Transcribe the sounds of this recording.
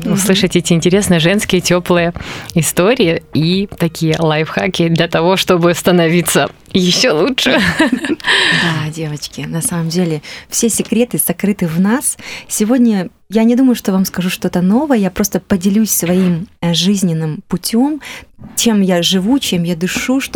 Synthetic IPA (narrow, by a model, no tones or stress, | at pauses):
ʊslˠɨʂɨtʲɛtʲɪɪnʲtʲɪɾʲesnɨjəʐɛnskʲɪjətʲoplˠɨjəɪst̪o̞ɾʲɪɪit̪ɐkʲijəlˠajfxakʲɪd̪lʲɐt̪ɐvo̞ʂt̪o̞bɨɐst̪ənɐvʲit̪sə | jɪɕːolˠutʂɨ | d̪adʲe̞vət͡ɕkʲɪnɐsaməmdʲelʲɪfsʲesʲɪkɾʲe̞t̪ɨz̥ɐkɾɨt̪ɨvnassʲɪvo̞dʲnʲə | janʲɪd̪uməjʊʂt̪o̞vamskɐʐuʂt̪o̞t̪əno̞vəjəjapɾo̞st̪əpədʲɪlʲusʲsvɐimʐɨzʲnʲɪnːɨmpʊtʲo̞mt͡ɕemjaʐɨvut͡ɕe̞mjad̪ɨʂuʂt̪